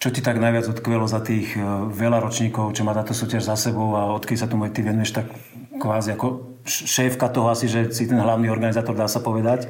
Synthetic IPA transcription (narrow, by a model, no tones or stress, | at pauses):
t͡ʃɔcit̪aɡnajʋad͡zɔt̪kʋɛlɔzat̪iːɣʋɛlaɾɔt͡ʃɲiːkɔʊt͡ʃɔmaːt̪aːt̪ɔsuːcaʒzasɛbɔʊaɔt̪kɛd̪isat̪umɛt̪iʋɛnujɛʃt̪akː | ʋaːziakɔ | ʃʃɛːfkat̪ɔɦɔasiʒɛsit̪ɛnɦlaʊniːɔɾɡanizaːt̪ɔɾd̪aːsapɔʋɛd̪ac